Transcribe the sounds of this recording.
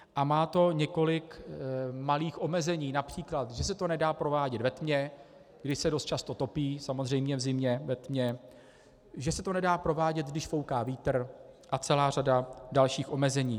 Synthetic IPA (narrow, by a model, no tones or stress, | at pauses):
ʔamaːt̪o̞ɲɛko̞lɪk | maliːxʔo̞mɛzɛɲiːnapr̝̥iːklat̪ʒɛsɛt̪o̞nɛdaːpɾo̞vaːɟɛt̪vɛt̪mɲɛ | ɡdɪʃsɛdo̞st̪t͡ʃast̪o̞t̪o̞piːsamo̞zr̝ɛjmɲɛvzɪmɲɛvɛt̪mɲɛ | ʒɛsɛt̪o̞nɛdaːpɾo̞vaːɟɛd̪̚ɡdɪʃfo̞wkaːviːt̪rʔat͡sɛlaːradadalʃiːxʔo̞mɛzɛɲiː